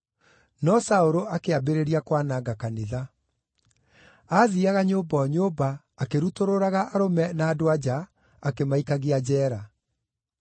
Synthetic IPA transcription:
nɔsaoɾoakeabeɾeɾiakwanaɡakaneða | aðiaɣaɲoːbaɔɲoːbaː | keɾutoɾoɾaɣaʔaɾomɛnaːdoad͡ʑa | akemaikaɣead͡ʑɛːɾa

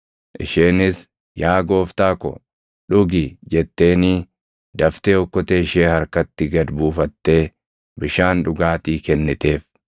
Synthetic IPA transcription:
ʔɪ̰ʃeːnɪs | jaːɡo̞ːft̪aːkɔ̰ | ᶑʊɡɪd͡ʒɛt̪ːe̞ːniː | d̪ɐft̪eːɔkːɔt̪eːʃeːhɐɾkɐt̪ːɪɡɐd̪buːfɐt̪ːe̞ː | bɪʃaːnᶑʊɡaːt̪iːkɛnːɪt̪e̞ːf

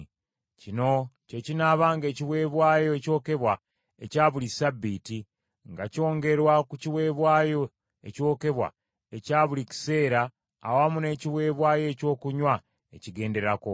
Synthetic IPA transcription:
cino̞ce̞cinaːβaːŋɡe̞ːciβwe̞ːβwaːjo̞eco̞ːke̞βwa | ecaːβulisabːiːti | ŋɡaco̞ːŋɡe̞ɾwakuciwe̞ːβwaːjo̞ | ḛco̞ːke̞βwa̰ | e̞caːβulici̥se̞ːɾa̰ː | wamune̞ːciwe̞ːβwaːje̞co̞ːkuɲwa | e̞̰ciɡe̞ːnde̞ɾako

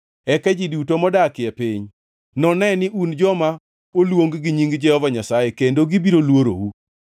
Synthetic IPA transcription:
ɛkɛd͡ʒidutomɔdakɪɛpiɲ | nɔnɛnɪʔund͡ʒɔma | olwoŋɡɡiɲiŋɡd͡ʒɛhɔvaɲasajekendoɡibiɾolwoɾo̰wu

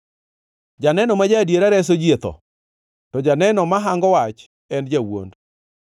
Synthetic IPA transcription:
d͡ʒanɛnɔmad͡ʒadjeɾaɾɛs̬od͡ʒiet̪ɔ̰ | tɔd͡ʒanɛnɔmaɦaŋɡɔwat͡ʃ | ɛnd͡ʒawo̰nd

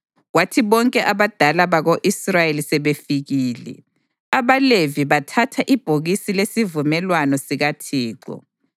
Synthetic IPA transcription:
ɣwatʰiβɔŋkʼɛʔaβad̥ʱalaβaɣoʔisrajelisɛβefiɣiːlɛ̰ | aβaleviβatʰatʰaʔib̥ʱoɣisilesivumɛlwanɔsiɣatʰiːǃɔ̰

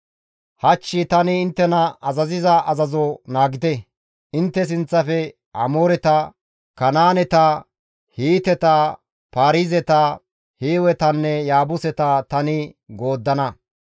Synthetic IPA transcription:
hɐt͡ʃːɪt̪ɐnɪːnt̪ːɛnɐɐzɐzɪzɐʔɐzɐzɔnaːɡɪt̪ɛ | ɪnt̪ːɛs̬ɪnt͡sːɐfɛ | ɐ̰moːɾɛt̪ɐ | kɐnaːnɛt̪ɐ | hiːt̪ɛt̪ɐ | paːɾizɛt̪ɐ | heːwɛt̪ɐnːɛjaːbʊsɛt̪ɐt̪ɐnɪɡo̞ːd̪ːɐnɐ

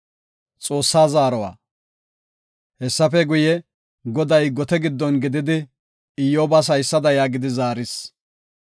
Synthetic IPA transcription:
t͡sʼo̞ːsːaːzaːɾɔwa̰ː | hɛsːɐfɛɡʊjɛ | ɡɔd̪ɐjɡɔt̪ɛɡɪd̪ːɔnɡɪd̪ɪd̪ɪ | ɪjoːbɐs̬ɐjsːɐd̪ɐjaːɡɪd̪ɪzaːɾɪs

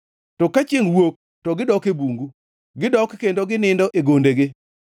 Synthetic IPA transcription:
tɔkat͡ʃeŋwok̚ | tɔɡɪdɔkebuŋɡu | ɡɪdɔkkendoɡɪnɪndɔʔeɡondeɡɪ

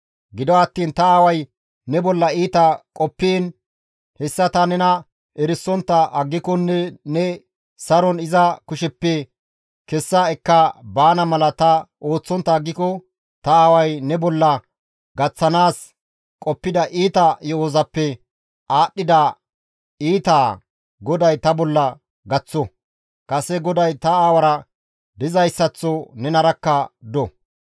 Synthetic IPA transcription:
ɡɪd̪ɔɐt̪ːiːnt̪ɐaːwɐj | nɛbɔlːɐiːt̪ɐkʼɔpːeːn | hɛsːɐt̪ɐnɛnɐ | ʔɛɾɪsːɔnt̪ːɐʔɐɡːɪkɔnːɛnɛ | sɐɾɔnɪzɐkʊʃɛpːɛ | kɛsːaɛkːɐbaːnɐmɐlɐt̪ɐoːt͡sːɔnt̪ːɐːɡːɪkɔ | t̪ɐaːwɐjnɛbɔlːɐ | ɡɐt͡sːɐnaːs | kʼɔpːɪd̪ɐʔiːt̪ɐjɔoːzɐpːɛ | ʔaːɗːɪd̪ɐ | iːt̪aː | ɡɔd̪ɐjt̪ɐbɔlːɐ | ɡɐt͡sːɔ | kʼɐsɛɡɔd̪ɐjt̪ɐaːwɐɾɐ | d̪ɪzɐjsːɐt͡sːɔnɛnɐɾɐkːɐd̪ɔ

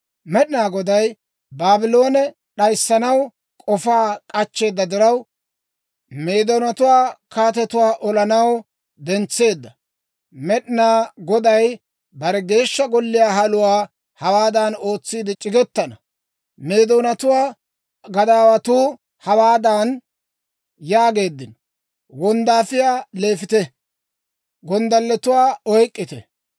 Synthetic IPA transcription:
mɛɗɪnaːɡɔd̪ɐj | baːbɪlo̞ːnɛ | ɗɐjsːɐnɐw | kʼɔfaːkʼɐt͡ʃːe̞ːd̪ːɐd̪ɪɾɐw | me̞ːd̪oːnɐt̪ʊwaːkaːt̪ɛt̪ʊwaːʔɔlɐnɐw | d̪ɛnt͡sːe̞ːd̪ːɐ | mɛɗɪnaːɡɔd̪ɐj | bɐɾɛɡe̞ːʃːɐɡɔlːɪjaːɦɐlʊwaː | hɐwaːd̪aːno̞ːt͡sːiːd̪ɪt͡ʃʼɪɡɛt̪ːɐnɐ | meːd̪oːnɐt̪ʊwaː | ɡɐd̪aːwɐt̪uː | hɐwaːd̪aːn | jaːɡe̞ːd̪ːɪn | wɔnd̪aːfɪjaːle̞ːfɪt̪ɛ | ɡɔnd̪ɐlːɛt̪ʊwaːɔjkʼːɪt̪ɛ̰

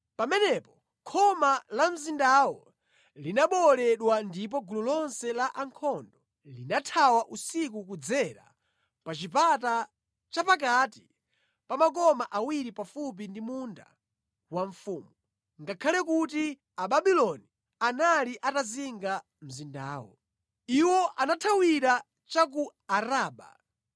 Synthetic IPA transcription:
pamɛnɛpɔ | kʰɔmalam̩zindawɔ | linaɓɔlɛɗwandip̬ɔɡululɔnsɛlaʔaŋkʰɔndɔ | linatʰawaʔusik̬ukud͡zɛɾa̰ | pat͡ʃip̬ata | t͡ʃapak̬ati | pamak̬ɔmaʔawiɾipafup̬indimunda̰ | waɱfuːmu | ŋɡakʰalɛkuti | aɓaɓilɔni | analiʔataziŋɡa | m̩zinda̰ːwɔ̰ | iwɔʔanatʰawiɾa | t͡ʃak̬uaɾaːɓa̰

